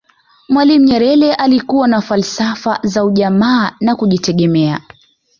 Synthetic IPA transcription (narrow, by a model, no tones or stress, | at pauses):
mwalim̩ɲɛɾɛlɛʔalikuwanafalsafazauʄamaːnakuʄitɛɠɛmɛa